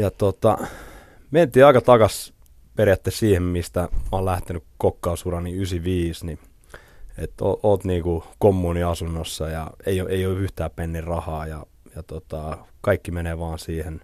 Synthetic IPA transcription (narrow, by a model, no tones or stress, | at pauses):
jɑt̪ot̪ɑ̰ | ment̪iːɑikɑt̪ɑkɑs | perjæt̪ːessiːhemmist̪æmɑːlæht̪enykkokːɑːsurɑniysiʋiːsni | et̪o̰oːt̪niːkukomːuːniɑsunːosːɑjɑ̰eioʔeioːyht̪æːpenːirrɑhɑːjɑ | jɑt̪ot̪ɑkɑikːimeneːʋɑːnsiːhen